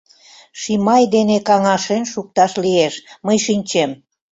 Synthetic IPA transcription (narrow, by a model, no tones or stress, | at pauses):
ʃimɑjd̪enekɑŋɑʃenʃuk̚t̪ɑʃlieʃməjʃinʲt͡ɕem